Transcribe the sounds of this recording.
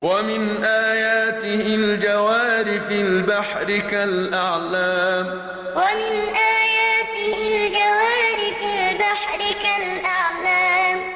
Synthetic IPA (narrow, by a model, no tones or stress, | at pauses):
wamɪnʔaːjaːt̪ɪhɪld͡ʒawaːɾɪfɪlbaħɾɪkalʔaʕlaːm | wamɪnʔaːjaːt̪ɪhɪld͡ʒawaːɾɪfɪlbaħɾɪkalʔaʕlaːm